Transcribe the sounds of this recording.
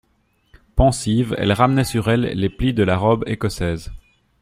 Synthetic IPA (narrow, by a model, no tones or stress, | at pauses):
pɑ̃sivɛ̰lʁamnɛsyʁɛlːeplid̪əlaʁɔbekɔsɛːz